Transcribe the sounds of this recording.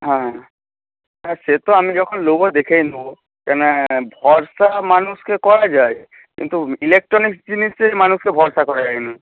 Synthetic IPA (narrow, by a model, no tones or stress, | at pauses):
ɦã | aset̪ɔamid͡ʒɔkʰɔnlobɔd̪ekʰajnũ | kɛnabʱɔɹsamanuskekɔɹad͡ʒaj | kḭnt̪uilek̚ʈɹɔnikd͡ʑinisemanuskebʱɔɹsakɔɹazajnu